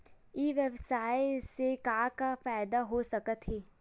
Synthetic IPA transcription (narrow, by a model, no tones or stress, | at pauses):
iːʋɛbsaːeɪsekaːkafaːɪd̪aɦosɐkət̪ɦɛː